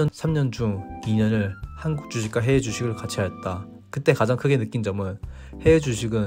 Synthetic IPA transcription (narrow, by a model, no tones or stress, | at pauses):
ʌnsʰamɲʌnd͡ʑuŋiɲʌnɯɭhanɡuk̚t͡ɕ͈uɕʰik͈aɦe̞ːd͡ʑuɕʰiɡɯɭkat͡ɕʰiɦajʌt̚t͈a | kɯt͈e̞kad͡ʑaŋkʰɯɡe̞nɯk͈ind͡ʑʌmɯn | he̞ːd͡ʑuɕʰiɡɯn